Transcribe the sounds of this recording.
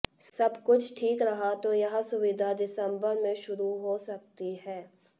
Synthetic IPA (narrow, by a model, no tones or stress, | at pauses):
sɐbkʊt͡ʃʰʈʰiːkɾɐɦat̪ojɐɦãsʊʋɪd̪ʱad̪ɪsə̃mbəɾmẽʃʊɾuɦosɐk̚t̪iɦɛː